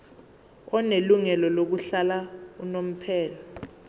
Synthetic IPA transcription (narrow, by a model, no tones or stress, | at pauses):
ɔneluŋɛlɔlok̬uɬalaunom̩pʰɛːlɔ